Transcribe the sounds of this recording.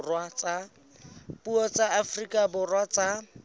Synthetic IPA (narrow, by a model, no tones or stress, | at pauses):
rwat͡sa | puɔt͡saafrikʼabʊrwat͡sa